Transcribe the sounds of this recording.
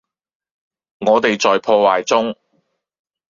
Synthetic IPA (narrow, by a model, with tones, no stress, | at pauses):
ŋɔː˨˧t̪e˨jt͡sɔː˨jpʰɔː˧waː˨jt͡sʊ˥ŋ